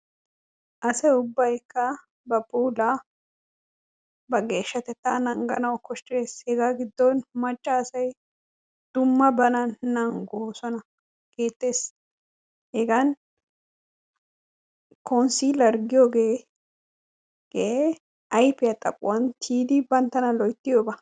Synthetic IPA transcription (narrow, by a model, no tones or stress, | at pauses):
ʔɐsɐjʊbːɐjkːɐ | bɐpʼuːla | bɐɡe̞ːʃːɐt̪ɛt̪ːanɐŋɡɐ̰nɐwkɔʃt͡ʃʼeːshɛɡaːɡɪd̪ːonmɐt͡ʃʼːɐːsɐj | d̪̥ʊmːɐbɐnɐnːɐŋɡoːsɔnɐ | ɡ̥eːt̪ʼːe̞ːs | hɛɡɐn | kʰonsilɐɾɡɪjoːɡeː | ɡ̥e | ʔɐjpɪjɐt̪ʼɐ̰pʼːʊ̰wɐnt̪ʰiːd̪ɪbɐnt̪ːɐnɐlɔjt̪ːɪjobɐ